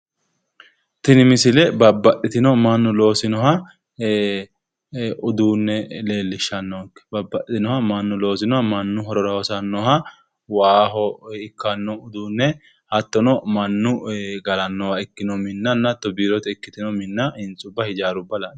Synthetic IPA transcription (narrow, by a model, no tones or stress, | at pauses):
t̪ɪnɪmɪsɪlɛbɐbːɐɗɪt̪ɪnɔmɐnːʊlo̞ːsɪnɔhɐ | ʊd̪uːnːɛle̞ːlːɪʃːɐnːɔkːɛ̥bɐbːɐʔɪt̪ɪnɔhɐmɐnːʊlo̞ːsɪnɔhɐmɐnːʊɦɔɾɔɾɐwɔsɐnːɔhɐ | waːɦɔɪkːɐnːɔʊd̪uːnːɛ | hɐt̪ːɔnɔmɐnːʊɡɐlɐnːɔwɐɪkːɪnɔmɪnːɐnːɐt̪ɔbiːɾɔt̪ɛɪkːɪt̪ɪnɔmɪnːɐɪnt͡sʼʊbːɐhɪd͡ʒaːɾʊbːɐlan